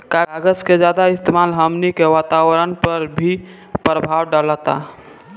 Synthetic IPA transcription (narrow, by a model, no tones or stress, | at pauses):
kaɡəsked͡ʒad̪aɪst̪emalɦəmnikeʋat̪awɾənpəɾbʱi | pɾəbʱawɖalət̪a̰